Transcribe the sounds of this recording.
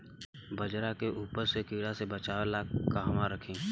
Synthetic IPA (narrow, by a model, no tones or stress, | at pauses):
bəd͡ʒɾakeʔuːpəɾsekiːɽasebət͡ʃaːʋelaːkkaɦmaɾəkʰĩː